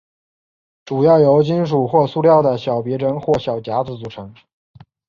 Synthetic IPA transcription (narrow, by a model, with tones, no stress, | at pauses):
ʈ͡ʂu˨˩jɑ˥˩ʊjo˧˥ʊt͡ɕi˥nʂ̬u˨˩xwɔ˥˧su˥˧ljɑ˥˩ʊd̪ə˩ɕjɑ˨˩ʊpjɛ˧˥ɻə˧˥nxwɔ˥˩ɕjɑ˨˩ʊt͡ɕja˧˥t͡sɹ̩˧˥t͡su˨˩ʈ͡ʂʰɤ˧˥ŋ